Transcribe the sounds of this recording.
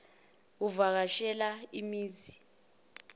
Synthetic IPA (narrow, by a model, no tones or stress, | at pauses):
uvak̬aʃɛlaimiːzi